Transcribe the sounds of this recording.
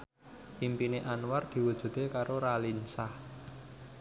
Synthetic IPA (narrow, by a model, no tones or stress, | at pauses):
ʔimpineʔanward̪̥i̤wud̥ʒ̥ṳd̪̥ekaɾoɾalinsah